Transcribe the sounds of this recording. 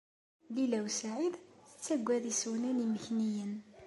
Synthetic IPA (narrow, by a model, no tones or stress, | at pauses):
lilæwsaʕiðθə̥t͡sːæɡʷːæðiswnæniməçnijən